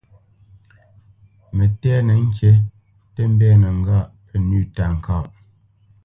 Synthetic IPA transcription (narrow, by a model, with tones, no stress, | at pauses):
mə˨tɛː˦nə˨˦ŋ̩˦kje˦ | tə˦m̩˦bɛ˦nə˨ŋ̩˦ɡa˦˨ʔpə˨nʉ˦˨ta˨ŋ̩˨ka˦˨ʔ